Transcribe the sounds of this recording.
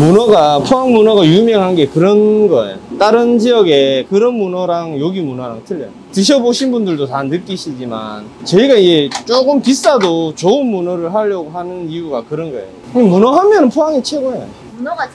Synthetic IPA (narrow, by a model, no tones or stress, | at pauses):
munʌɡapʰoaŋmunʌɡajumjʌŋɦanɡe̞kɯɾʌnɡʌḛjot͈aɾɯnd͡ʑijʌɡe̞kɯɾʌnmunʌɾaŋjoɡimunʌɾaŋtʰɯʎːʌ̰jotɯɕʰʌboɕʰinbundɯɭdotanːɯk͈iɕʰid͡ʑima̰nt͡ɕʌiɡaid͡ʑe̞t͡ɕ͈oɡɯmpis͈adot͡ɕoɯnmunʌɾɯɭɦaʎːʌɡoɦhanɯniuɡakɯɾʌnɡʌḛjokɯmunʌɦamjʌnɯnpʰoaŋit͡ɕʰeɡoejo̰